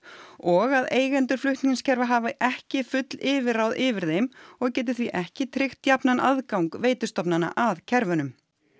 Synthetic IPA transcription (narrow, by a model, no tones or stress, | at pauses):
ɔɣaðeːjɣɛnt̪ʏɾ̥flʏht̪niɲnscʰɛɾvaɦaːvɪʔɛhcɪfʏt̪lɪːvɪrawðɪvɪɾðejmɔɣcɛːt̪̬ɪθviʔɛhcɪt̪ʰɾɪxt̪japnanʔa̰ðkawŋkveːjt̪ʏst̪ɔpnana̰ʔaðcʰɛɾvʏnʏm